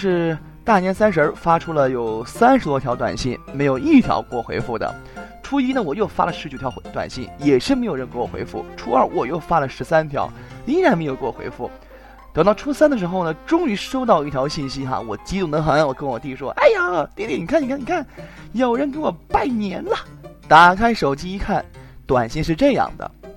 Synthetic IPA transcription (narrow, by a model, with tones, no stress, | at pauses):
ʂɻ̩˥˧ | t̪a˥˩njɛ˧˥nsa˥nʂɻ̩˧˥ə˞˥˧fa˥ʈ͡ʂʰu˥lə˨jo˨˩ʊsa˥nʂɻ̩˨˧t̪wɔ˥t̪ʰjɑ˧˥t̪wa̰˨˩nɕḭ˥˩nme˧˥ɪjo˨˩ʊi˥˩t̪ʰjɑ̰˧˥ʊkwɔ˥˩xwḛ˧˥ɪfu˥˩d̪ə̰˩ | ʈ͡ʂʰu˥i˥nə˨wɔ˨˩jo˥˩ʊfa̰˥lə˨ʂɻ̩˧˥t͡ɕo˨˩tʰjɑ˧˥t̪wa̰˨˩nɕḭ˥˩njɛ˨˩ʂɻ̩˥˩m˧˥ɪjɻə˧˥˧ŋkə˧˥wɔ˨˩xwḛ˧˥ɪfṵ˥˩ʈ͡ʂʰu˥ə˞˥˩wɔ˨˩jo˥˩ʊfa˥lə˨ʂɻ̩˧˥sa˥nt̪ʰjɑ̰˧˥ʊ | i˧˥ɻa˧nme˧˥jo˨˩kə˥wɔ˨˩xwḛ˧˥ɪfu˥˩ | t̪ɤ˧˥t̪ɑ˥˩ʊʈ͡ʂʰu˥sa˥nd̪ə˨ʂ̬ɻ̩˧˥xo˥˧ʊnə˩ʈ͡ʂʊ˥ŋy˧˥ʂo˥ʊt̪̬ɑ˥˧ʊi˥˩t̪ʰjɑ˧˥ʊɕi˥˩nɕi˥xa̰˧wɔ˨˩t͡ɕi˥t̪ʊ˧˩ŋd̪ə˧˦xə˧˥na˥˩wɔ˨˩kə˥nwɔ˨˩t̪i˥˩ʂwɔ˥ʔa˥˩ɪja˨˩t̪i˥˧˥t̪jɛ˥˩ni˨˩kʰa˥˩ni˧kʰa˥˩ni˨˩kʰa˥˩n | jo˨˩ʊɻə˧˥nk̬ə˥nwɔ˨˩pa˥˩ɪnjɛ˧˥nlə˧na˨˩kʰa˥ɪʂo˨˩ʊt͡ɕi˥i˧˥kʰa˥˩nt̪wa˨˩nɕi˥˧ŋʂ̬ɻ̩˥˧ʈ͡ʂɤ˥˧jɑ̰˥˩ŋd̪ə̰˩